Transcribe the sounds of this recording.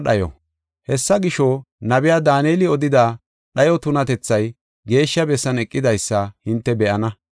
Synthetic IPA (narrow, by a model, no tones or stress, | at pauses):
ɗɐjɔ̰ | hɛsːɐɡɪʃo | nɐbɪjaːd̪aːneːlɪɔd̪ɪd̪aː | ɗɐjɔt̪ʊnɐt̪ɛt͡sːɐj | ɡe̞ːʃːɐbɛsːɐnɛkʼːɪd̪ɐjsːɐhɪnt̪ːɛbɛʔɐnɐ